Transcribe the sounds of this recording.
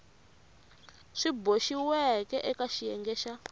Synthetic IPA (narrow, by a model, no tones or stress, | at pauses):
ʂiboʃiwɛkɛʔɛkaʃijɛŋɡɛːʃa